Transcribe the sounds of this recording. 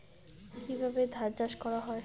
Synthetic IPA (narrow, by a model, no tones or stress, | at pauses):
kibʱabed̪ʱaɾd͡ʑaʃkɔɾaɦɔe